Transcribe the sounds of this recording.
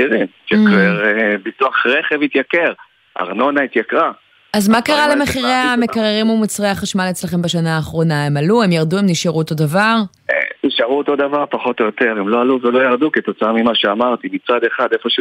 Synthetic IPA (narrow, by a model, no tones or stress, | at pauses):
iʁimit̪jakʁeʁbituaχʁeχevit̪jakeʁ | a̰ʁno̞nait̪jakʁa | azmakaʁalemeχiʁeame̞kaʁeʁimumut͡sʁeaχaʃmalet͡slaχe̞mbaʃanaːχʁo̞nae̞maluemjaʁd̪uemniʃaʁuot̪o̞d̪avaʁ | niʃaʁuot̪o̞d̪avaʁpaχo̞t̪o̞jot̪e̞ʁemlo̞aluvelo̞jaʁd̪uket̪o̞t͡samimaʃeamaʁt̪imit͡sad̪e̞χad̪efo̞ʃ